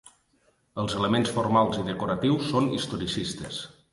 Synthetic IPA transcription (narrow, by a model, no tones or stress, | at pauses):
əlˠzələmensfoɾmalˠziðəkuɾət̪iwsːonist̪oɾisist̪ə̰s